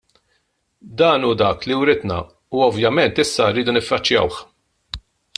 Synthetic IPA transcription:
d̪ɐːnuːd̪ɐːkliwɾɪd̪nɐ̰ | uɔvjɐmɛnt̪ɪsːɐɾːiːd̪unɪfːɐt͡ʃːjɐ̰wħ

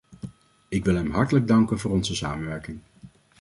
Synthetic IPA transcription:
ɪkʋɪlˠɦɛmɦɑɹtələɡ̚dɑŋkənvʊːɾɔnzəsa̰ːmənʋɛɹkɪŋ

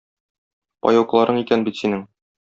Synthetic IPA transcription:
pɒ̰jɑwqlˠɑɾʔɤɴikænbit̪sinɘŋ

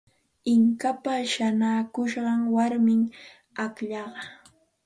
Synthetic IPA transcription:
ɪŋkapaʃanaːkʊʃɢɑŋwaɾmɪŋ | akʎɑɢɑ

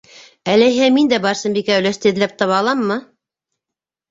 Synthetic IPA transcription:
ælæjɦæmind̪æbɑɾsɤmbikæɘwlæst̪ɘ̆ðlæp̚t̪ɑβɑɑlˠɑmːɤ

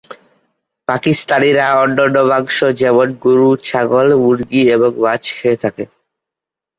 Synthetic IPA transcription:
pakist̪aniɾaɔnːɔnːoβaŋʃod͡ʑɛmonɡuɾut͡ɕʰaɡolmuɾɡieβoŋbat͡ɕkʰeet̪ʰake

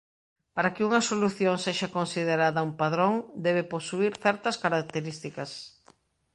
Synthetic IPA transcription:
paɾakɪuŋɐsoluθjoŋseʃɐkonsið̞eɾaðɐumpaðɾoŋd̪ɛβɪposuiɾθɛɾt̪ɐskaɾak̚t̪eɾist̪ikɐs

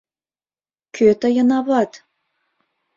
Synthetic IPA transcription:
kʲʰøt̪ə̆jɤ̆nɑβɑt̪

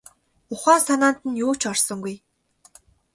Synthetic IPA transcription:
ʊχaːnsanaːn̥t̪ɘ̆njuːt͡ɕʰɔrsɞ̆ŋɡuj

